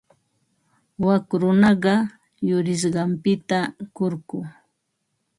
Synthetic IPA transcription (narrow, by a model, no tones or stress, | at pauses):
wakɾʊnɑɢɑ | jʊɾɪʃ̬ɢɑmpɪt̪akoɾkʊː